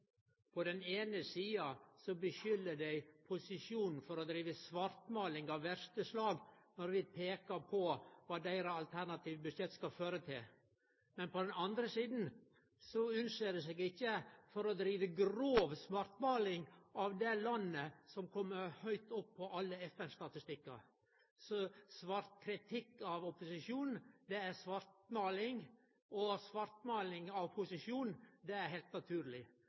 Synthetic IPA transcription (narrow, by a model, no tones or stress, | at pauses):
pʰɔd̪ɛneːnəsiːɑsɔbəʃʏlːəd̪æɪpʰʊsɪʂjuːnn̩fɔɾɔd̪ɾiːʋəsmɑɾt̪mɑːlɪŋɑʋʋæɾʂt̪əslɑːɡnɔɾʋɪpʰeːkɑɾpʰɔʋɑːd̪æɪɾəɑlt̪ʰæɾnɑt̪ʰiːʋbʉʂɛt̪ːskɑføːɾət̪ʰɪl | mɛnpɔd̪ɛnɑnd̪ɾəsiːd̪n̩ | sɔʉnʂeːd̪ɛseːɡɪçːəfɔɾɔd̪ɾiːʋəɡɾoːʋsmɑɾt̪mɑːlɪŋʔɑʋd̪ɛlɑnːəsɔmkʰɔmːəɾhœʏt̪ɔpʰːɔʔɑlːəɛfɛnst̪ɑt̪ɪst̪ɪkːɑ̰ | sɔsʋɑɾt̪̚kʰɾɪt̪ʰɪkːɑʋɔpːʊsɪʂuːnd̪ɛæɾsʋɑɾt̪mɑːlɪŋ | ɔsʋɑɾt̪mɑːlɪŋɑʋpʰʊsɪʂjuːnd̪ɛæɾhɛɪlt̪nɑt̪ʰʉːɾlɪ